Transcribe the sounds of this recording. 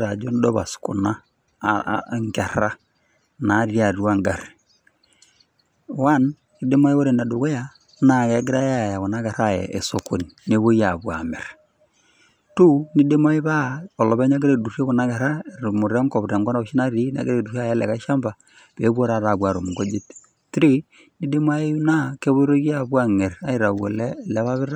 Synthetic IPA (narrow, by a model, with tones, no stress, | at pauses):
ɾa˨d͡ʒo˦n˦dɔ˦βa̰˨skṵ˨na̰˦ | ŋka˨ɾa˦ | na˨˦ɾi˦a˨ɾwa˦ŋɡa˨ɾe̥ | wa˦n | i˦de˦ma˦i˦o˦ɾe˨na˨do˨ɣo˦ja˦ | na˨ɣɛ˨˦ɡɪ˦ɾa˦ja˦˨ja˨ɣɔ˨na˦ɣa˨ɾa˦˨jɛ̰ː˨so˨kʰo˨ni˨ne˦βo˦ja˨βwa˨mḛ˨ɾ | tu˦ni˦de˦ma˦i˦βa˦ɔ˨lɔ˨βɛ˦ɲa˦ɡe˦ɾe˨du˨rje˦kɔ˨na˦ɡa˨ɾa˦˨ɾmu˨ɾa˦ŋkɔ˨βɾa˨ŋɡɔ˦na˦o˨ʃi˦na˦ɾi˦na̰˨ɡe˦ɾe˨du˨ra˦jɛ˦lɛ̰˨ka˦ʃa˦mba˨ | pe˨˦βwo˦ɾa˨ɾa˨βwa˨ɾo˨mu˨ɡo˦d͡ʒe˦t | tɾi˦ | ni˦de˦m˦a˦e˦u˦na˦ke˦βo˦i˦ɾo˦ɣja˨βwa˨ŋɛ˨ra˦i˨ɾa˨wo˨lɛ˦˨lɛ˦βa˦βɪ˦ɾa˦